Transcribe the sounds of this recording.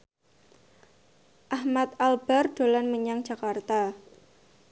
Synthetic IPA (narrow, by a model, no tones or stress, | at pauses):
ʔahmat̪̚alb̥a̤rɖ̥o̤lanməɲaŋd̥ʒ̥a̤kart̪a